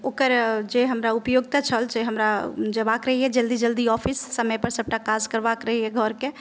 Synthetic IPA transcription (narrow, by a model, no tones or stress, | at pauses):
okəɾd͡ʒeɦəmɾaupjoɡt̪at͡ʃʰəld͡ʒeɦəmɾad͡ʒəbakɾəɦijɛd͡ʒəld̪id͡ʒəld̪iɔpʰisːəməjpəɾsəb̚ʈakad͡ʒkəɾbakɾəɦijɛɡʱɔɾke